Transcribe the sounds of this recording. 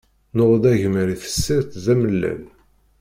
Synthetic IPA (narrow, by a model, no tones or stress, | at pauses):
noʁəd̪æʝəməɾiθə̥sːiɾt̪ðæməlːæ̰n